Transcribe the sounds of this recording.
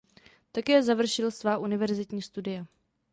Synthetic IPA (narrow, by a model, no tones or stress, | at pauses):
t̪akɛːzavr̩ʃɪlsvaːʔunɪvɛɾzɪt̪ɲiːst̪udɪja